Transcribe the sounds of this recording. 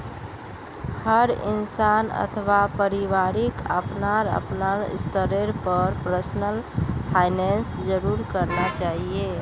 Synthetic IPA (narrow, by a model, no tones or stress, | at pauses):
həɾḭnsanə̰t̪ʰʋapəɾiʋaɾikə̰pnaɾə̰pnaɾ̰st̪əɾeɾpəɾpɾəsnəlpʰajnensd͡ʒəɾuɾkəɾnat͡ʃaɦie